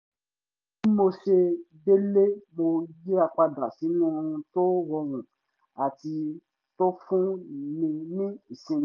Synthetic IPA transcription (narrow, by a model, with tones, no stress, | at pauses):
i˦mo˧ʃe˧ | de˦le˦mo˧je˦a˧k͡pa˧da˨si˨˦nũ˦˧ũ˧to˦wɔ˧wũ˨ | a˨ti˧ | to˦fũ˦mĩ˧mĩ˦i˨sĩ˧˦